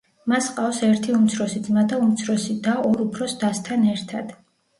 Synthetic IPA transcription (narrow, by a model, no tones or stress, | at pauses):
masqʼafsɛɾt̪ʰiumt̪sʰɾɔsid̪zmad̪aumt̪sʰɾɔsid̪aɔɾupʰɾɔsd̪ast̪ʰanɛɾt̪ʰad̪̥